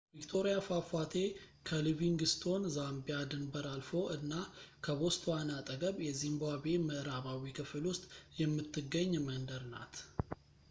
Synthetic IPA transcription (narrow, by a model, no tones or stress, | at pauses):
vikt̪ʰo̞ɾijafafat̪ʰe̞kʰəlɨviŋɡɨst̪ʰo̞nzambijad̪ɨnbəɾalfo̞ʔɨnːakʰəβo̞st̪ʰwanat̪ʼəɡəβjɛzimbaβe̞məʔɾaβawikʰɨflʊst̪ʼjɛmːɨt̪ʰːɨɡːəɲːmənd̪əɾna̰t̪